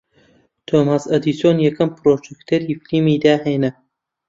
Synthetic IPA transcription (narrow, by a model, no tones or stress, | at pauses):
t̪ʰoːmaːsɐd̪iːsjoːnjɐkɐmpɾoːd͡ʒɛkt̪ʰɐɾiːfilimiːd̪aːheːnɐ